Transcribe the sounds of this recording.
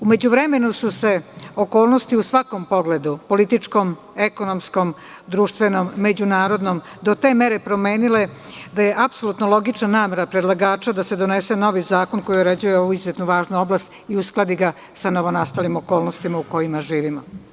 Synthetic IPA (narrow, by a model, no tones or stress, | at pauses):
ume̞d͡ʑuʋɾeme̞nususe̞okoːlno̞st̪iusʋako̞mpo̞ɡle̞d̪upo̞lit̪it͡ʂko̞m | eko̞nomsko̞m | d̪ɾuːʃt̪ʋe̞nomːe̞d͡ʑunaːɾo̞d̪no̞m | d̪ot̪e̞ːmeɾe̞pɾo̞meːnile̞d̪aje̞ʔapso̞lˠut̪nolˠo̞ɡit͡ʃnanaːme̞ɾapɾed̪lˠaɡaːt͡ʃad̪ase̞d̪o̞neseno̞ʋizaːko̞nko̞jioɾe̞d͡ʑujeoʋuizjet̪nuʋaːʒnuo̞blast̪iusklˠad̪iɡa | sano̞ʋo̞nast̪alimo̞ko̞ːlˠnost̪imauko̞jimaʒiːʋimo̰